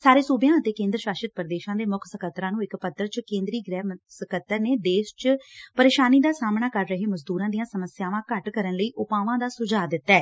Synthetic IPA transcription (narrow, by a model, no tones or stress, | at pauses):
saːɾeːsuːbjãːət̪eːkẽːnd̪ɾəʃaːʃɪt̪̚pəɾəd̪eːʃãːd̪eːmʊkʰsəkʰət̪ːɾãːnũːɪkpət̪ːəɾt͡ʃkẽːnd̪ɾiːɡɾɛːmsəkət̪ːəɾneːd̪eːʃt͡ʃpəɾeːʃaːniːd̪aːsaːmɳaːkəɾːəɦeːməzd̪uːɾãːd̪ijãːsəməsjaːʋãːkəʈkəɾənləiːʔʊpaːʋãːd̪aːsʊd͡ʒaːd̪ɪt̪ːaɛː